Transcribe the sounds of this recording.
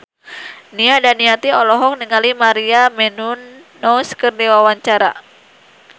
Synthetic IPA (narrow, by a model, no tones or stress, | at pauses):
niadaniat̪iɔlɔɦɔk̚niŋalimaɾiamɛnunː | ɔskərdiwawaɲt͡ʃaɾa̰